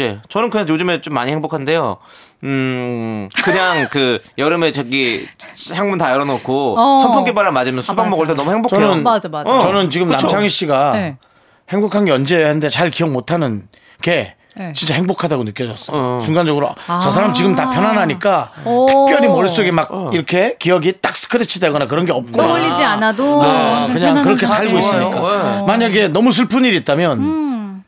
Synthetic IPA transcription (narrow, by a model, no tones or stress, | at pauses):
d͡ʑe̞t͡ɕʌnɯnkɯɲaŋjod͡ʑɯmet͡ɕomːa̰ɲihe̞ŋbokʰande̞jo | kɯɲaŋkɯjʌɾɯmet͡ɕaɡihjaŋmuntajʌɾʌnokʰosʰʌntʰoŋkebaɾamad͡ʑimjʌnsubaŋmʌɡɯɭt͈enʌmuhe̞ŋbokʰnɯnt͡ɕʌnɯnt͡ɕiɡɯmɯat͡ɕaŋiɕ͈iɡa | he̞ŋbokʰaŋɡjʌnd͡ʑehannde̞t͡ɕaɭkiʌŋmotʰanɯn | ke̞ | t͡ɕint͡ɕ͈aheŋbokʰadaɡonɯk͈jʌd͡ʑʌs͈ʌjt͡ɕuŋɡand͡ʑʌɡɯɾo̰t͡ɕʌs̬ʰaɾamt͡ɕiɡɯmtapʰjʌnanɦaɲik͈atʰɯk̚p͈jʌɾimʌɭs͈oɡemak̚iɾʌkʰe̞kijʌɡit͈ak̚s͈ɯ̥kʰɯɾet͡ɕʰideɡʌnakɯɾʌnɡe̞ʌp̚k͈onʎːid͡ʑianadoakɯɲaŋkɯɾʌkʰesʰaɭɡois͈ɯɲik͈amaɲaɡe̞nʌmus̬ʰuɭpʰɯɲiɾiːt̚t͈amjʌn